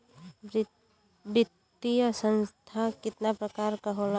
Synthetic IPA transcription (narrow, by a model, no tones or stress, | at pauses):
bɪt̪ː | ijasə̃nst̪ʰakɪt̪napɾəkaːɾkaɦola